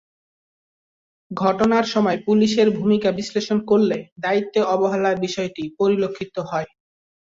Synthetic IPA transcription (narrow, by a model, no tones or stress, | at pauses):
ɡʱɔʈonaɾʃɔmɔepuliʃeɾbʱumikabisleʃonkoɾled̪ait̪ːeɔboɦalabiʃɔeʈipoɾilokʰːit̪oɦɔe